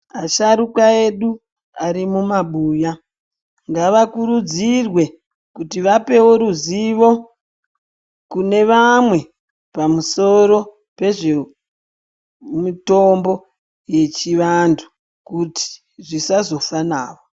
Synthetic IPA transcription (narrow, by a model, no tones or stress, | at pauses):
aʃaɾukae̞ɗu | aɾimumaɓuːja | ŋɡaʋakuɾud͡zirwe̞ | kutiʋape̞woɾuziʋo̞ | kune̞ʋamwe̞ | pamuso̞ɾo̞ | pe̞ʐe̞ | muto̞mbo̞ | je̞t͡ʃiʋantʰu̥ | kuti̥ | ʐisazo̞fanaːwo